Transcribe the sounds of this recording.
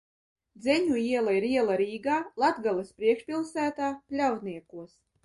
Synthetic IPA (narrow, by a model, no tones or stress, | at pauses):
d̪zʲɛɲuiɛlˠaiɾiɛlˠaɾiːɡaːlˠad̪ɡalˠɨspɾiɛkʃpʲilˠsæːt̪aːplʲaw̪niɛkuɔs